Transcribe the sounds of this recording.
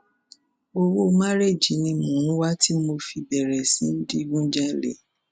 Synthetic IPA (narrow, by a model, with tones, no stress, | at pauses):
o˧wo˦˧ma˦ɾe˦˨d͡ʒi˨˦nĩ˧mũ˨˦ɾ̃ũ˦wa˦ti˦mo˧fi˧bɛ˨ɾɛ˨sĩ˨˦n̩˦di˦ɡũ˦d͡ʒa˦lḛ˦˨